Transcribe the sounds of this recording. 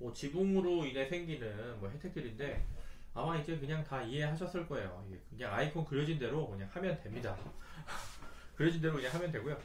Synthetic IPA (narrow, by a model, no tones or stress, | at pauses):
mʌt͡ɕibuŋɾoine̞sʰe̞ŋɡinɯnmwʌɦe̞tʰek̚t͈ʰɯɾinde̞ | amaid͡ʑe̞kɯɲaŋtaiɦe̞ɦaɕʰʌs͈ɯɭk͈ʌe̞jo̰iɡe̞kɯɲaŋaipʰonkɯɾjʌd͡ʑinde̞ɾokɯɲaŋhamjʌndwe̞mɲida | kɯɾjʌd͡ʑinde̞ɾokɯɲaŋɦamjʌndwe̞ɡojo